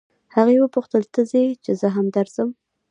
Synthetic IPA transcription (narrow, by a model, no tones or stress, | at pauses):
haɣewəpʊxt̪əlt̪əzet͡ʃezəɦamd̪aɾz̥əm